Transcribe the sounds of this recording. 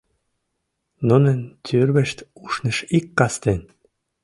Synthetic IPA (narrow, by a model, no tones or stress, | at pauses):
nunə̆nt̪ʲʰyrβə̆ʃt̪uʃnə̆ʃikːɑst̪en